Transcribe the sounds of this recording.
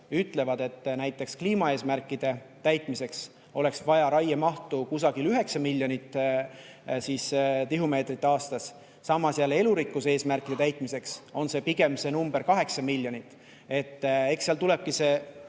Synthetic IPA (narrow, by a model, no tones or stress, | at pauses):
yt̪ːˑle̞vɑd̪e̞t̪ːnæjt̪ːˑe̞kskliːmɑe̞ːsmærkːˑid̪̥e̞t̪æjt̪mise̞ks | o̞le̞ksvɑjɑɾɑjemɑht̪ukusɑɡilyɦe̞ksɑmilʲjo̞nit̪ːˑ | siːst̪iɦume̞ːt̪rit̪ːɑːst̪ɑsː | ɑmːɑsjæle̞luɾikːˑuse̞ːsmærkːˑid̪̥e̞t̪æjt̪ˑmise̞kso̞nse̞piɡ̥e̞mse̞numb̥eɾkɑɦe̞ksɑmilʲjo̞nit̪ːˑ | e̞t̪ːe̞ksːiɑlt̪ule̞b̥̚kise̞ː